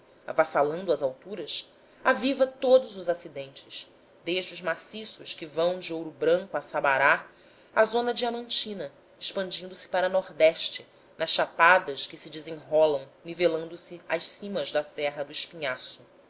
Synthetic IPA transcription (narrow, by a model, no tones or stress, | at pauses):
a̰vasalɐ̃nd̪ɐzawt̪uɾɐs | avivɐt̪od̪ʊzʊzasid̪ẽnt͡ʃɪʃ | d̪eʒd͡ʒɪʊzmasisʊʃkɪvɐ̃w̃d͡ʒɪowɾʊbɾɐ̃ŋkuasabaɾa | azõnɐd͡ʒiamɐ̃nt͡ʃĩnɐ | eʃpɐ̃nd͡ʒĩnd̪ʊsɪ̥paɾɐnɔɾd̪ɛʃt͡ʃɪ | nɐʃʃapad̪ɐʃkɪsɪd͡ʒɪzẽŋɦɔlɐ̃w̃nivelɐ̃nd̪ʊsɪaʃsĩmɐzd̪ɐsɛɦɐd̪ʊɪʃpiɲasʊ